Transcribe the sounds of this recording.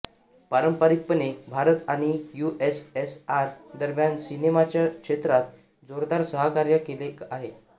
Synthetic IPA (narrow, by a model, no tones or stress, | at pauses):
paɾəmpaɾik̚pənekbʱaɾət̪aɽ̃ijuʔesesaɾd̪əɾmjansinemat͡ɕjakʂet̪ɾat̪ | d͡zoɾd̪aɾsəɦəkaɾjəkeleaɦe